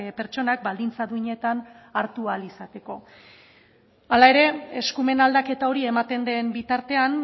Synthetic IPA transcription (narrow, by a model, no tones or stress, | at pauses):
pe̞ɾt͡ʃo̞nak̚bald̪int͡saðuiɲe̞t̪an | aɾt̪ualisat̪e̞ko̞ | alae̞ɾe̞eskume̞nald̪ake̞t̪ao̞ɾie̞mat̪e̞nd̪e̞mbit̪aɾt̪e̞an